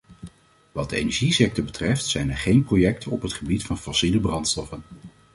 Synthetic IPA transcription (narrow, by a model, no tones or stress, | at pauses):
ʋɑd̚dəḛjnɛɹʒisɛk̚tɔɹbətrɛftsɛjnɛɹχejnprojɛk̚tʰənɔpɦətχəbitfɑnfɔsiləbrɑntstɔfən